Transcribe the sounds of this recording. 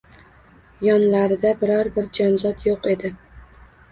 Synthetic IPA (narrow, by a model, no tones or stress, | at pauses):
jɒnlaɾɪd̪abɪɾɒɾbɪɾd͡ʒɒnzɒd̪joqe̞d̪ɪ